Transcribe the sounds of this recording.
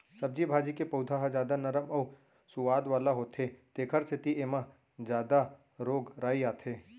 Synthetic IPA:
sɐb̚d͡ʒibʱaːd͡ʒikepɐʊd̪ʱaɦad͡ʒaːd̪anɐɾəmɐː | sʊʋaːd̪ʋaːlaɦoːt̪ʰet̪eːkʰəɾt͡ʃet̪ieːmã | d͡ʒjaːd̪a | ɾoːɡɾaːiaːt̪ʰeː

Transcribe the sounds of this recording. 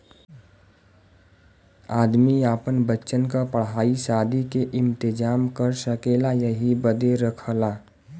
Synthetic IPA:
aːd̪miaːpənbətːt͡ʃənkapəɽɦaːisaːd̪ʱikeʔɪ̃mt̪ɪd͡ʒaːmkəɾʃəkeːlajəɦibəd̪eɾəkʰəlaː

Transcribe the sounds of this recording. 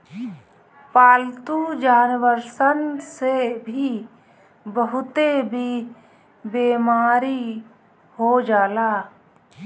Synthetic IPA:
paːlt̪ud͡ʒaːnʋəɾsənsebʱi | bəɦʊt̪ebʱi | beːmaːɾi | ɦod͡ʒaːlaː

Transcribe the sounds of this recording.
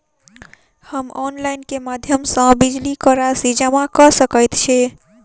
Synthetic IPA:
həmɔnlajnkemad̪ʱjəmsə̃bid͡ʒlikəɾasid͡ʒamakəsəkəjt̪t͡ʃʰɛ

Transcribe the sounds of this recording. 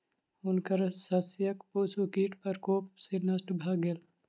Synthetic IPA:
ʊnkɐɾsɐsjɐkpoːsokiːʈpɐɾkoːpsenɐsʈbʱaːɡel

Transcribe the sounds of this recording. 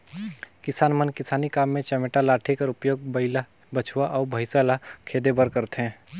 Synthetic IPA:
kɪsaːnmənkɪsaːnikaːmːẽt͡ʃɛmeʈalaːʈʰekəɾʊpjoːɡ̚bəɪla | bət͡ʃʰwaʔɔːɾbʱəɪsalakʰeːd̪ebəɾkəɾt̪eɦɛ̃ː

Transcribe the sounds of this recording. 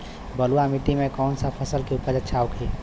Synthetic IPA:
bəluamɪt̪imẽkɔːnsapʰɐsəlkeuːpəɾd͡ʒətːʃʰaːukɦeː

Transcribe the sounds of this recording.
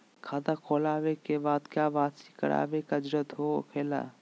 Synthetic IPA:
kʰaːd̪akʰoːlaːʋekebaːd̪kjaːbaːt̪si̥kɐ̰ɾa̰ːʋekad͡ʒɾət̪ɦokʰeːla̰ː

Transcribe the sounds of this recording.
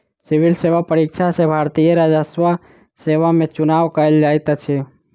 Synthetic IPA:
sɪʋɪlseːʋapəɾikʃʰasebʱaːɾt̪ijəɾaːd͡ʒasʋa | seːʋamẽt͡ʃʊnaːʋkəeld͡ʒaːjt̪at͡ʃʰe

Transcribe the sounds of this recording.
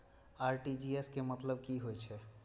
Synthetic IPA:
aɾʈid͡ʒieskemət̪ləb̚kiɦojt͡ʃʰɛ

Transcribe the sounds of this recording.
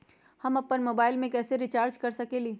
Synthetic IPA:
hɐmɐpːənmoːbaːɪlmẽkɛːseɾɪt͡ʃaːɾd͡ʒkɐɾsɐkeːliː

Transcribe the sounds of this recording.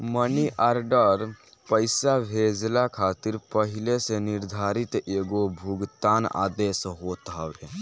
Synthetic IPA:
məniʔʔaɾɖəɾ | pəɪsabʱed͡ʒlakʰat̪iɾpəɦileseniɾd̪ʱaɾit̪eɡobʱuɡt̪ana̰d̪esɦot̪ɦabe

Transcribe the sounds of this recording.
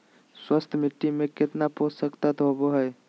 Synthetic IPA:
swəst̪ʰmɪʈ̪ːimẽkɪt̪napoːssəkt̪at̪ɔɦboɦɛj

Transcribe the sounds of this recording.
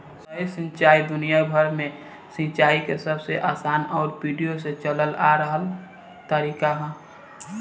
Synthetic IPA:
səisɪ̃nt͡ʃaːid̪ʊnijabʱəɾmẽ | sĩt͡ʃaːikesəbseʔaːsaːnɔːɾpiːɖijoset͡ʃələlaɾəɦəl | t̪əɾiːkaɦɛ̃

